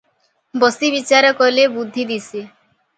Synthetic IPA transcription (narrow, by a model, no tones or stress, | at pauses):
bɔsibit͡ʃaɾɔkɔlebud̪ʱːid̪isi